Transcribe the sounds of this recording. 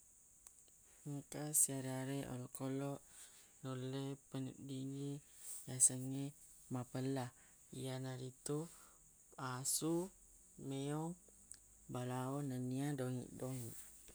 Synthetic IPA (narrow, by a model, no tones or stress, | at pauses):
əŋkasiaɾeaɾeʔo̰lɔʔkolɔʔ | nuləjpənṵʔdini | jasəŋe | mapəlah | ijanaɾit̪u | asu | meɔŋ | balaɔnəniadoŋḭʔdoŋiʔ